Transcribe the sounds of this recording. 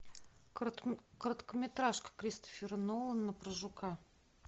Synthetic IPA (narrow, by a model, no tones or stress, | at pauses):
kɾət̪kəmʲɪt̪ɾaʂkə̥kɾʲist̪ə̥fʲɪɾnolˠənːəpɾəʐʊka